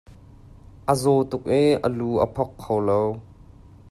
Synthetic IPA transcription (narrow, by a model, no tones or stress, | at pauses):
ʔəzɔt̪ʊk̚ʔiʔə̰luːʔə̰pʰɔkʰːowlow